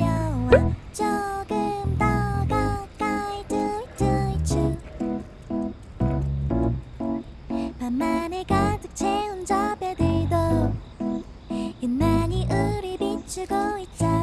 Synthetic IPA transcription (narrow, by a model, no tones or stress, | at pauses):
jʌwat͡ɕoɡɯmd̪aɡak͈aitɯitɯit͡ɕʰɯ | panmaneɡat̪ɯk̚t͡ɕʰeɯnd͡ʑʌbed̪ed̪o | jɯnmaɲiʔɯɾibit͡ɕuɡoit͡ɕ͈a